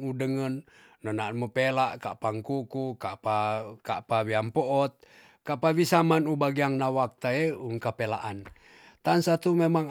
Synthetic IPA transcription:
udəŋənː | ɔnanmupelaʔkapaŋkukukapakaʔpawiampɔʔɔt̪̚ | kaʔpawisamanubaɡiaŋnawak̚t̪aeuŋkapela̰ʔan | t̪ansat̪umemaŋ

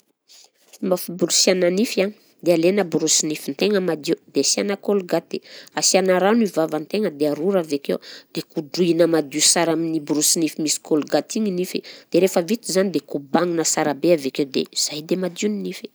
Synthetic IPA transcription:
mafibulusiananifani̥ | d̪ealenəbuɾusinifint̪eŋəmad̪iud̪̥easianakoluɡat̪easianaɾanivavant̪eŋəd̪eaɾuɾavekewd̪̥ekuduinəmad̪usaɾaminibuɾusinifimisi̥koluɡat̪iŋinifid̪̥eɾefəvit̪izanid̪ekubaŋunəsaɾabeavekewd̪ḛz̥ajd̪emad̪iuninifi̥

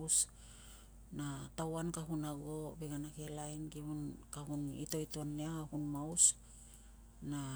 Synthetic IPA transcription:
s | natawankaɦunaɡobeɡanakelajnɡiunkahunḭto̞itoanːeahahunmaus | na

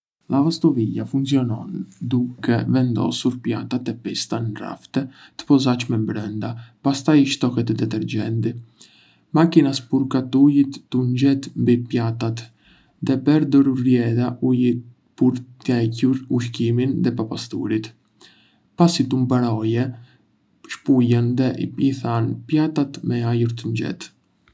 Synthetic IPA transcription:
lavast̪ɔvijafunt͡siɔnɔ̰nd̪ukɛ̰vɛnd̪ɔ̰suɾpja̰t̪at̪ɛpist̪anra̰ft̪ɛt̪ə̥pɔzat͡ʃmɛmbɾɛnd̪apast̪ajiʃt̪ɔkɛt̪ɛd̪ɛt̪ɛɾd͡ʒɛnt̪i | makinaspuɾkat̪ujit̪ːund͡ʒɛt̪mbipjat̪at̪ | ðɛpɛɾd̪ɔɾuɾːjɛðaʔuji | puɾt̪ɛcuɾuʃkiminðɛpapast̪ṵɾit̪ | pasit̪umbaɾɔjɛ | ʃpujɛnðɛiθanpjat̪at̪mɛajuɾt̪əɲd͡ʒɛ̰t̪

